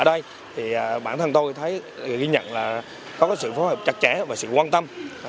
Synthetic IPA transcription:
əː˧˩ɗə˧j | t̪ʰi˨˩ʔːɓaː˧˩nt̪ʰə˧nt̪o˧jt̪ʰə˨˦jɣi˧ɲə̰˧˨nlaː˨˩ | kɔ˨˦kɔː˨˦jsɨ̰˧˨fɔ˨˦ɦəː˨˩p̚t͡ɕa˨˩k̚t͡ɕɛ˧˩˦vaː˨˩sɨ̰˧˨kwaː˧nt̪ə˧m

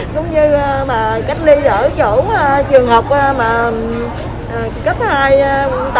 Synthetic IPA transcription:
zʊ̰˨˧˦wŋ͡mɲɨ˧maː˨˩ka˦˥jk̟̚li˧zəː˧˩t͡ɕo˧˩˧t͡ɕɨ˨˩əŋhəː˨˩wk͡p̚ʔa˧maː˨˩ | ʔəː˨˩kə˦˥p̚haː˧jŋt̪

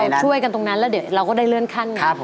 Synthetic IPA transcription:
wt͡ɕʰu˥˩əjka˧nt̪o˧ŋna˦˥nlɛː˦˥di˩˦ɾa˧wkɔː˥˩da˥˩lɯː˥˩ənkʰa˥˩nka˥˩˧

